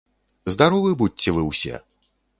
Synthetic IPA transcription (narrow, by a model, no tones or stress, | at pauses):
zd̪aɾɔvɨbut͡sːʲɛvɨwsʲɛ̰